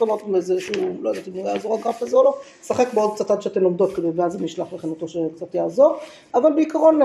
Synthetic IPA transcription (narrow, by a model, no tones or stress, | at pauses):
omaʁt̪mbezeʃuulojad̪at̪imnojjaːzoʁaɡʁafazeolo̞ | saχe̞kbeod̪̚t͡sat̪ad̪ʃeatemlomd̪o̞t̪̚kiluveazemiʃlaχbeχinat̪o̞ʃekt͡sat̪jaːzo̞ʁ | avalbeikaʁo̞n